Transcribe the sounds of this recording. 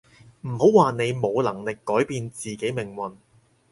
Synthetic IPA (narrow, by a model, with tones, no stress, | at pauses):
m̩˨˩ho˨˥wwaː˨ne˨˧jmo˨˧wlɐ˨˩ŋlɪ˨kːɔː˨˥jpiː˧nt͡siː˨ke˨˥jmɪ˨˩ŋwɐ˨˩n